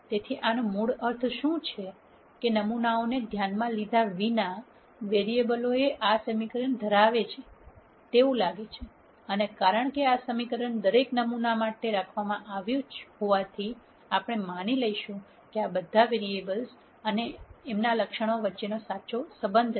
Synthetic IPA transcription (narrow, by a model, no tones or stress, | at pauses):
t̪et̪ʰiʔanũmuɽəɾt̪ʰʃũt͡ʃʰe | kenəmunaoned̪ʱjanmãlid̪ʱaʋina | ʋeɾiebəloeʔasəmikəɾəɳd̪ʱəɾaʋet͡ʃʰe | t̪eũlaɡet͡ʃʰe | ənekaɾəɳ̃keasəmikəɾəɳd̪əɾeknəmunamaʈeɾakʰʋamãʔaʋjũt͡ʃɦoʋat̪ʰi | apɽ̃emañiləiʃũ | keabəd̪ʱaʋeɾiebəls | əneemnaləkʃəɽ̃oʋətːʃenosat͡ʃosəbənd̪ʱ